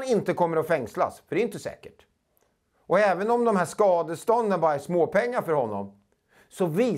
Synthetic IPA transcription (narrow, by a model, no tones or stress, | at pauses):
nɪnt̪əkʰɔmːəɾɔfɛŋsla̰sfœɖɛjʏnt̪əsɛ̰ːkəʈ | ʔɔɛːvənɔmd̪ɔmhɦæːʂkɑːd̪əst̪ɔnd̪ənbɑːɾaæʂmoːpʰɛŋːaɾfœɾhɔnːɔ̰m | sɔviː